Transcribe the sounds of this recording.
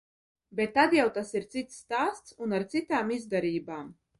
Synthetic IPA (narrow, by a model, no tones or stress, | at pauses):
bet̪ːad̪jawt̪asiɾt̪sit̪sːt̪aːst̪sunaɾt̪sit̪aːmizd̪aɾiːbaːm